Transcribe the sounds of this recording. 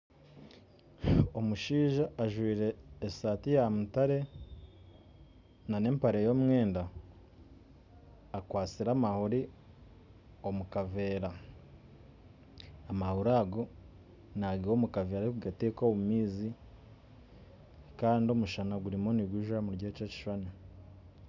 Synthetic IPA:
o̞muʃiːʒaːʒwiːɾe̞ːsaːtijamutaɾe̞ | nane̞ːmpaɾe̞jo̞ːmŋwe̞ːnda | kwaːt͡siɾaːmahoɾi | o̞mukave̞ːɾa | amahuɾaɡo | naɡiɾo̞ːmukaveːɾaekuɡatekoβumiːzi | kaːndio̞muʃanaɡuɾimo̞niɡuʒamuɾɟet͡ʃeci̥ʃane

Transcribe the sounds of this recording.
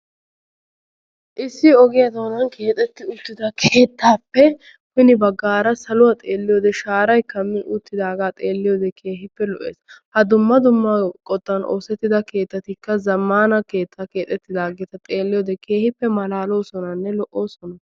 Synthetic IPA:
ʔɪsːɪɔɡɪjɐd̪oːnɐnkʰe̞ːt̪ʼɛt̪ːɪʊt̪ːɪd̪ɐkʰe̞ːt̪ːaːpːɛ | wɪnɪbɐɡːaːɾɐsɐlʊwɐt̪ʼeːlːɪjoːd̪ɛʃaːɾɐjkɐmːɪʔʊt̪ːɪd̪aːɡaːt̪ʼeːlːɪjod̪ɛkʰe̞ːɦɪpːɛlɔʔḛːshɐd̪ʊmːɐd̪ʊmːɐkʼɔt̪ːɐno̰ːsɛt̪ːɪd̪ɐke̞ːt̪ːɐt̪ɪkːɐzɐmːaːnɐke̞ːt̪ʰːake̞ːt̪ʼːɛt̪ːɪd̪aːɡɛt̪ɐt̪ʼe̞ːlːɪjɔːd̪ɛkʰe̞ːhɪpːɛmɐlaːlo̞ːsɔnɐnːɛlɔʔʔo̞ːsɔnɐ

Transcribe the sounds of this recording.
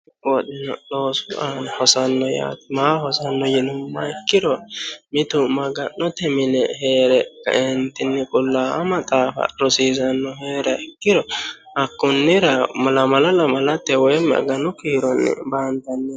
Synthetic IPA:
ɔɗɪnɔ̰loːsʊʔanhɔsɐnːɔja̰ːt̪ɪmaːhɔsɐnːɔjɛnʊmːɐɛkːɪɾɔmɪt̪ʊmɐɡɐnːɔt̪ɛmɪnɛheːɾɛkːɐ̰ʔɛnt̪ːɪnːɛkʼʊlːaːɐmɐt̪ʼaːfɐ̰ɾɔsiːzɐnːɔheːɾɐɛkːɪɾɔ | ɐkːʊnːɪɾɐmɐlɐmɐlɐlɐmɐlɐt̪ːɛwɔjɛmɐ̰ɡɐnʊkiːɾɔnːɛ̰bant̪ɐnːɛ

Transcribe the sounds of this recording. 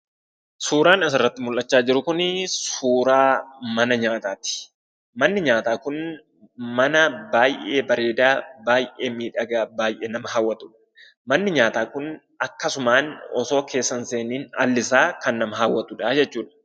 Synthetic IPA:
suːɾaːnɐsɪrːɐt̪ːɪmʊlʔːɐt͡ʃːaːd͡ʒɪɾʊkʊnsuːɾaːmɐnɐɲaːt̪aːt̪ɪ̥ | mɐnːɪɲaːt̪aːkʊn | mɐnɐbaːjʔe̞ːbɐɾe̞ːd̪aːbaːjʔe̞ːmiːᶑɐɡaːbaːjʔe̞ːnɐmɐɦaːwːɐt̪ʼʊᶑɐ̥ | mɐnːɪɲaːt̪aːkʊn | ɐkːɐsʊmaːnɔso̞ːkʰe̞ːsːɐnse̞ːniːnɐ̰lːɪsaːkɐnːɐmɐɦaːwːɐt̪ʊᶑaːd͡ʒɛtːuːᶑɐ̥

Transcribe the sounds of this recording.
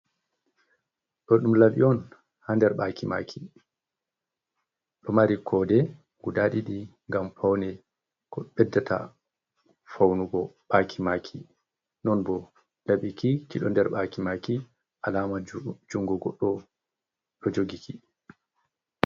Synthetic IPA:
ɗɔɗumlaɓiɔn | handɛɾɓakʰima̰kʰi | ɗɔmaɾikʰɔdɛ | ɡudaɗiɗiŋɡamfawnɛ | kɔɓɛdːatʰa̰ | fawnuɡɔɓakʰimaːkʰi | nɔnbɔ | laɓikikiɗɔndɛɾɓakimaki | ʔalaːmad͡ʒuŋɡɔɡɔɗːɔ | ɗɔd͡ʒoɡikʰi

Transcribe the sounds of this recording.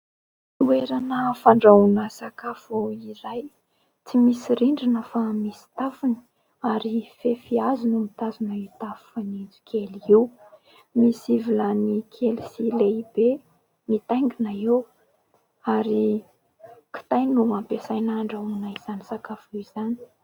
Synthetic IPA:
ueɾanəfaɳɖ͡ʐaunəsakafuiɾaj | t͡simisiɾiɳɖ͡ʐinəfamisi̥t̪afuni̥ | aɾifefiazunumit̪azunait̪afu̥fanind͡zu̥kʰeliiw | misivilanikʰelisileibe | mit̪ajŋɡinaew | aɾi | ki̥t̪ajnuampesajnaːɳɖ͡ʐaunaiz̥anisakafiz̥ani̥

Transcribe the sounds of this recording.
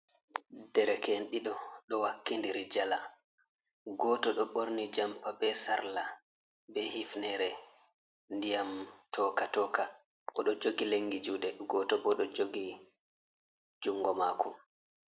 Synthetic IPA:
dɛɾɛkenɗiɗɔɗɔwakːindiɾid͡ʒala | ɡɔːtɔɗɔɓoɾnid͡ʒampabɛsa̰ɾla | bɛhifnɛɾɛ | ndijamtʰɔkatɔːka | ʔɔɗɔd͡ʒoɡileŋːɡid͡ʒuːɗɛɗɡɔːtɔbɔɗɔd͡ʒoɡi | d͡ʒuŋːɡɔmakʰɔ

